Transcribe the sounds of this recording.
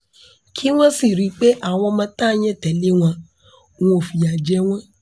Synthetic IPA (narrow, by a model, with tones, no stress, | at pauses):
kʰi˦w̃ɔ̃˦si˦˨ɾi˨˦k͡pe˦ʔa˦˨w̃ɔ̃˧mã˧˦ta˦˧j̃ɛ̃˦˨tɛ˨le˦w̃ã˧ | w̃ɔ̃˦o˨fi˨a˨d͡ʒɛ˨˦w̃ɔ̃˦